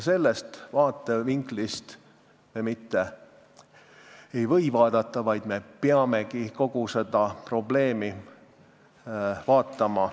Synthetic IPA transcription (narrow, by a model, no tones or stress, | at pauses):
se̞lːest̪vɑːt̪ːˑe̞viŋɡlist̪ | me̞mit̪ːe̞ | ejvɤ̞jvɑːd̪̥ɑt̪ˑːɑvɑjd̪̥me̞peɑme̞kiko̞ɡ̥use̞d̪ɑpro̞ble̞ːmi | vɑːt̪ˑːɑmɑ